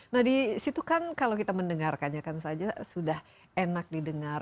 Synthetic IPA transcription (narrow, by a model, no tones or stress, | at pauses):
nahdisit̪ukankalokit̪aməndəŋarkanɲakansad͡ʒasudah | enak̚didəŋar